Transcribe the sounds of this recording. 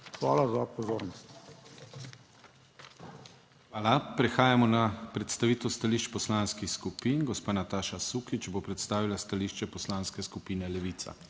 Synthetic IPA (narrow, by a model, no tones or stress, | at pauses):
xʋa̰ːlazaapɔzoːɾnɔst̪ | xʋaːlapɾɛxaːjamɔnapɾɛt̪st̪aʋiːt̪ɛwst̪aliʃt͡ʃpɔslanskixskupiːnɡɔspaːnat̪aːʃasuːkit͡ʃɛbopɾɛt̪st̪aːʋilast̪aliːʃt͡ʃɛpɔslaːnskɛskupiːnɛlɛʋit̪sa̰